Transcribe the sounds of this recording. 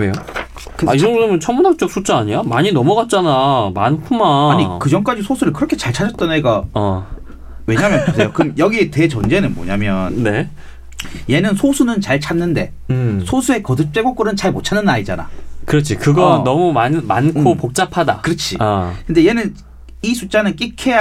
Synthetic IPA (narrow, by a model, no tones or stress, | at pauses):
ejo | kaiɾʌnɡʌsɯmɯnt͡ɕʰʌmunɦak̚t͡ɕ͈ok̚s͈ʰut͡ɕ͈aaɲijamaɲinʌmʌɡat̚t͡ɕ͈anamankʰumaɲikɯd͡ʑʌŋk͈ad͡ʑisʰosʰuɾɯɭkɯɾʌkʰe̞t͡ɕaɭt͡ɕʰad͡ʑʌt̚t͈ʌneɡaʌ | we̞ɲamjʌnposʰjokɯmjʌɡite̞t͡ɕʌnd͡ʑe̞nɯnmʌɲamjʌnːe̞ | je̞nɯnsʰosʰunɯnt͡ɕaɭt͡ɕʰanːɯnde̞ | sʰosʰue̞kʌdɯt͡ɕ͈e̞ɡok͈ɯɾɯnt͡ɕaɭmot͡ɕʰanːɯnaid͡ʑana̰kɯɾʌt͡ɕʰikɯɡʌnʌmumanmankʰopok̚t͡ɕ͈apʰada̰kɯɾʌt͡ɕʰikɯnde̞je̞nɯn | isʰut͡ɕ͈anɯnk̬͈ikʰe̞ja